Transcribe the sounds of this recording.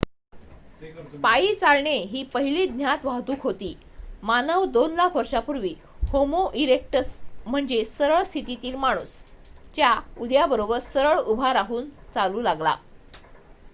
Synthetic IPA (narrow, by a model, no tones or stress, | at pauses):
paiːt͡salɳeɦiːpəɦiliːd̪njat̪ʋaɦd̪uːkʰɦot̪iː | manəʋd̪onlakʰʋəɾʂapuɾʋiː | homoʔiɾek̚ʈəsm̤əɳd͡zesəɾəɭst̪ʰit̪it̪iːlmaɽ̃uːst͡ɕjaud̪jabəɾobəɾsəɾəɭubʱaɾaɦuːnt͡saluːlaɡla̰